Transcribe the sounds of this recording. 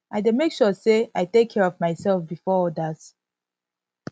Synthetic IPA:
ʔaɪdemekʃɔseaɪtekʰːɛɹɔvmaɪsɛlfbifɔɔdaz̥

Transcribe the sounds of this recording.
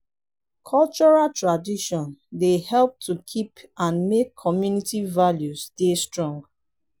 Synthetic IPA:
kʰɔlt͡ʃɔɹaltɹadiʃɔ̃ndehɛlp̚tʰukʰipãnmekʰːɔmjunitivaljusdestɹɔ̃ŋɡ

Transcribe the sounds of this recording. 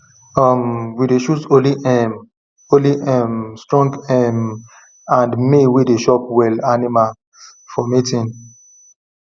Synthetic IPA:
ɔmwideʃutoliʔɛm | oliʔɛmstɹɔ̃ŋɡɛm | ãndmewedeʃɔp̚wɛlanimal | fɔmitĩn

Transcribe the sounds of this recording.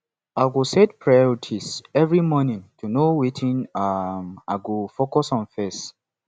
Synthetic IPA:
aɡusɛdpʰɹaɔtʰisɛvɹimɔnĩntʰunowitʰĩnamaɡufokɔsɔ̃nfɛs

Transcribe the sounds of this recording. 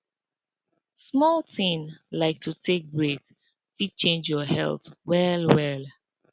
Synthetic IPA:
smɔlˠtʰĩnlaɪk̚tʰutʰek̚bɹek | fit͡ʃẽnd͡ʒjɔhɛ̰lˠθwɛlwɛl

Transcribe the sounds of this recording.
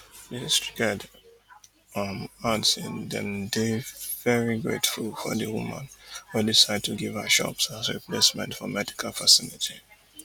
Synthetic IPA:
distiɡɛd | matsɪ̃ndɛ̰̃mdevɛɹiɡɹḛtfulˠfɔ̰ðɨwumã̰nhudisaɪd̚tʰuɡivaəʃɔ̰psazɹipʰlesmɛ̰̃ntfɔmɛdi̥kʰalˠfəsɪlitʰi

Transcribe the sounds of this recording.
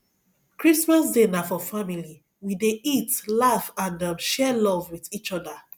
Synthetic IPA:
kɹismas̬denafɔfamili | wideitlafãndʌ̃mʃɛlɔvwiðit͡ʃɔda

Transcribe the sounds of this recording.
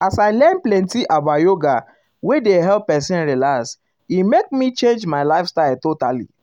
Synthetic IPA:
asaɪlɛ̃nplɛ̃ntiʔabajoɡa | wedeɦɛlppːɛsĩnɹilas | imek̚mit͡ʃẽnd͡ʒmaɪlaɪfstaɪltotalḭ

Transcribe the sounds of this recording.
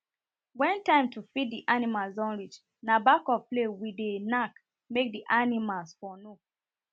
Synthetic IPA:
wɛ̃ntãɪ̃mtʰufiddiʔanimalzɔ̃nɹit͡ʃ | nabakɔplewidenak | mek̚diʔanimalsfɔnu

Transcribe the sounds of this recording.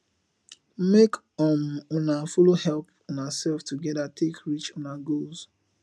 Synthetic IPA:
mek | ɔ̃mɔnafulohɛlp | ɔ̃nasɛlftuɡɛdatʰekɹit͡ʃɔ̃naɡols

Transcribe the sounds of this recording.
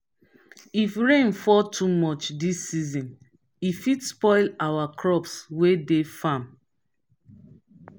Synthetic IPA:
ifɹẽnfɔtʰumɔt͡ʃdisːizɔ̃n | ifidspɔɪlawakʰɹɔpswedefãm

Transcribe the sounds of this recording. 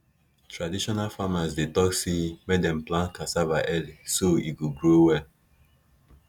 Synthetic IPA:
tɹadiʃɔnalfamasdetɔksemedɛ̃mplãnkasavaʔɛlisoḭɡoɡɹowɛl

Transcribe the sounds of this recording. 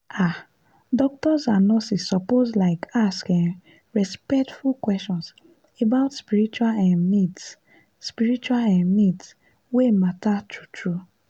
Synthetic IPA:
a | dɔk̚tɔzanɔsisɔpozlaɪkʰaskĩŋ | ɹɛspɛk̚tfulkwɛst͡ʃɔ̃ns | ebaʊtspiɾit͡ʃualɛ̃nnids | spiɾit͡ʃualãnmids | wematatutɹu

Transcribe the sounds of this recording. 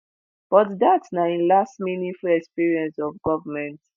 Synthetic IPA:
b̥ɔtdatnaĩnlastminifulɛkspiɹiɛ̃nsɔvɡɔvəmɛ̃nt

